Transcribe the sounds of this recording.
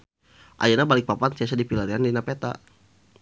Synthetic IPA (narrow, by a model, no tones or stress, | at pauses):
ʔa̰d͡ʒanabalɪk̚papansiasadipilaɾiandinapet̪a̰